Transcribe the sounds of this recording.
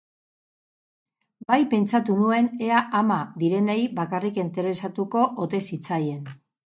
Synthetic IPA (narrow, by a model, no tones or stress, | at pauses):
bajpe̞nt͡ʃat̪unue̞ne̞aʔamad̪iɾe̞nejbakarikent̪e̞ɾe̞sat̪uko̞ʔot̪e̞sit͡saje̞n